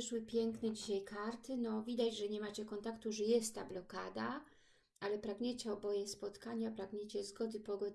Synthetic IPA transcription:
ɘʂwɘpʲjɛŋknɛd͡ʑiɕajkaɾt̪ɘnɔvʲid̪ad͡ʑʐɛɲɛmat͡ɕɛkɔnt̪akt̪uʐɛjɛst̪ːablɔkad̪a | alɛpɾaɡɲet͡ɕɛɔbɔjɛspɔt̪kaɲapɾaɡɲet͡ɕɛzɡɔd̪ɘpɔɡɔ

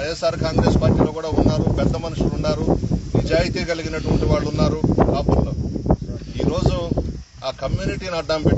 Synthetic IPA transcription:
ɐjesaːɾkaːŋɡɾe̞ːspaːɾʈiːlo̞ːkuːɽaːunːaːɾupɛd̪ːɐmɐnuʂulunːaːɾunid͡ʒaːjit̪iːɡɐliɡinɐʈuʋɐɳʈiʋaːɭːunːaːɾuaːpulːoː | ḭːɾoːd͡ʒu | aːkɐmjuːniʈiːnɐɖːɐmbeʈː

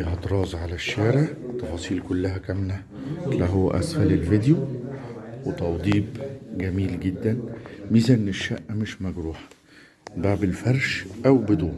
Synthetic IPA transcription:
iɦæt̪ɾˤɑːzˤʕalæʃːaːʕɾeʕt̪ːɑfɑːsˤiːlkʊlːæɦækæmlæ | læɦowːæ̰ʔæ̰sfælelvid̪ju | wet̪ɑwd̪ˤiːbɡæmiːlɡed̪ːænmiːzæʔenːeʃːæʔːmɪʃmæɡɾuːħɑ | baʕbelfæɾˤʃʔæwbɪd̪uːn

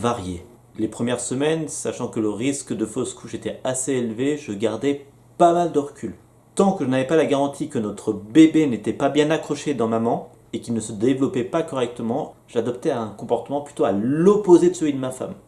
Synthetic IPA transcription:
vaʁje | lepχəmjɛʁsəmɛnsaʃɑ̃kələʁiskd̪əfoskʰuʃet̪ɛaseelveʒəɡaʁd̪ɛ | pamald̪əʁəkʲyl | t̪ɑ̃kəʒənavɛpalaɡaʁɑ̃t̪ʰikənɔt̪χəbebenet̪ɛpabjɛ̃nakχɔʃed̪ɑ̃mamɑ̃ | ekʲilnəsəd̪evlɔpɛpakɔʁɛk̚t̪əmɑ̃ | ʒ̥ad̪ɔp̚t̪ɛɛ̃kɔ̃pɔʁt̪əmɑ̃ply̥t̪oalɔpozed̪əsəlɥid̪əmafa̰m

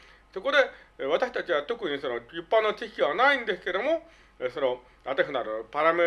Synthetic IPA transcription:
so̞ko̞d̪e̞βat̪aɕi̥t̪at͡ɕiβat̪o̞kɯ̟ɲ̟iso̞nojɯpːãnːot͡ɕikʲiβanaĩnd̪e̞sɨ̥ke̞d̪o̞mo̞ | sono̞ | at̪eɦɯnaɾɯpaɾame

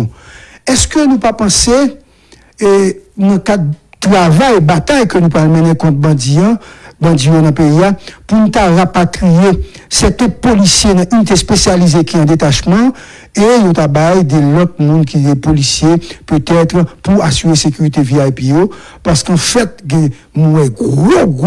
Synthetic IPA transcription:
ɛskønũpapɑ̃se | nɐ̃kad̪tʁavajbat̪ajkønũpalmɛnɛ̃kɔ̃t̪̚b̃ibɑ̃d̪d͡zijonɐ̃pejiapunũt̪aʁapat̪ʁije | sɛt̪ɔ̃polisjenɐ̃ʔynit̪espesjalizekiɑ̃d̪et̪aʃmɑ̃ | ejot̪abajd̪ɛlɔt̪̚mũnkiɡɛpolisjepøt̪ɛt̪ʁpuasyʁesekyʁit̪eviaipijo | paʁskɑ̃fɛt̪̚ɡɛ̃ | mwɛ̃ɡoɡ

